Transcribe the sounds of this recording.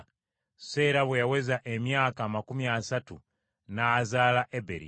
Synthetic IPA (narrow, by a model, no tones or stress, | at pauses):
se̞ːɾaβwejawe̞zaʔemjaːkamakumjiasatu | naːzaːlaʔebḛɾḭ